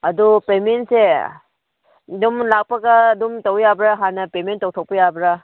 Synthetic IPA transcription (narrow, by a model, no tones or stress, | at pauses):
ɐdupemense | dumlak̚pɐɡaːdumtawjabɾaɦanɐpementːawtʰaw̚pɐjabɾa